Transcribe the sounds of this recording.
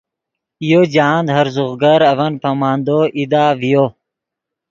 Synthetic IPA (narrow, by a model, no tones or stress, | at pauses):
ijod͡ʑaːnd̪ɦɐɾzuɣɡɐɾɐvɐnpɐmaːnd̪oʔid̪aːvijo